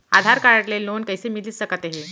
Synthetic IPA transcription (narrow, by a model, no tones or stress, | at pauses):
ad̪ʱaɾkaɾaʈlelːonkəjsemiliːsəkat̪aɦe